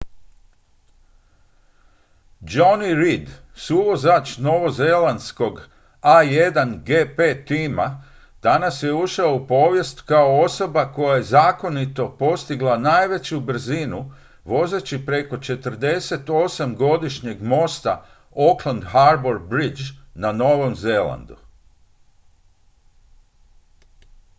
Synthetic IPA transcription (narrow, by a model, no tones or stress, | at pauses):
d͡ʒoniɾid̪suʋo̞zat͡ʃno̞ʋo̞ze̞land̪sko̞ɡ | aje̞d̪anɡeːpe̞ːt̪iːma | d̪̥anasje̞uʃaoupo̞ːʋje̞st̪kao̞o̞so̞bako̞jaje̞zaːko̞nit̪o̞po̞st̪iɡlˠanaːjʋe̞t͡ɕubr̩zinu | ʋo̞ze̞t͡ɕipɾe̞ko̞t͡ʃe̞t̪əɾ̩d̪e̞se̞t̪o̞samɡo̞d̪iʃɲe̞ɡmo̞st̪a̰ | oklˠand̪haɾboɾbɾid͡ʒnano̞ʋo̞mze̞lˠa̰nd̪u